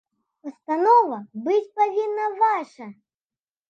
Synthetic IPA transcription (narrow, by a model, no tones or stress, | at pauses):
pɐst̪anɔvɐbɨt͡sʲpavʲinːɐvaʂɐ